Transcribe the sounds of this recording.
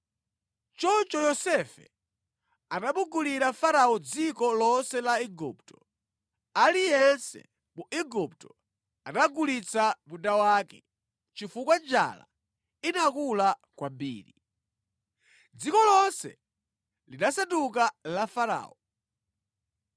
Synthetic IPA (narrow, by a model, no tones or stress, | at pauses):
t͡ʃɔt͡ʃɔjɔsɛfɛ̰ | anaɓuɡuliɾafaɾaɔd͡zikɔlɔnsɛlaiɡṵptɔ | alijɛnsɛ̰ | muʔiɡup̚tɔ | anaɡulit͡samundawaːkɛ | t͡ʃifukwad͡ʒa̰la̰ | inakulakwambḭːɾi | d͡zikɔlɔnsɛ̰ | liɗasatuk̬alafaɾa̰ːɔ